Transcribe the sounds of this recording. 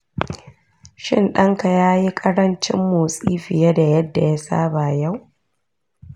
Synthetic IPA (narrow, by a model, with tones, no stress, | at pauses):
ʃɪ̰˦˨nɗɐ˦ŋka˨jaː˦ji˦kʼɐ˦ɽɐ˦nt͡ʃɪ̰˦mːoː˨sʼiː˦ɸɪ˨ja˦da˨jɐ˦dːa˨ja˦sa̰ː˦ba˨ja˦˨w